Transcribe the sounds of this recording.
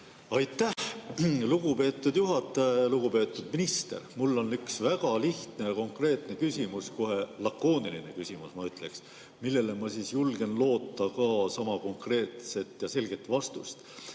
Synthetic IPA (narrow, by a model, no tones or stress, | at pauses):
ɑjt̪ːˑæhluɡ̥upe̞ːt̪ːˑud̪̥juɦɑt̪ːˑɑjeluɡ̥upe̞ːt̪ːˑud̪̥minist̪e̞̰rmulːo̞nyksvæɡ̥ɑliht̪ne̞jɑko̞ŋkre̞ːt̪ne̞kysʲimusko̞ɦe̞lɑkːˑo̞ːniline̞kysʲimusmɑyt̪ːˑle̞ks | milːe̞le̞mɑsiːsjulɡ̥e̞nlo̞ːt̪ːɑkɑsɑmɑko̞ŋkre̞ːt̪se̞t̪jɑse̞lɡ̥e̞t̪ːˑvɑst̪ust̪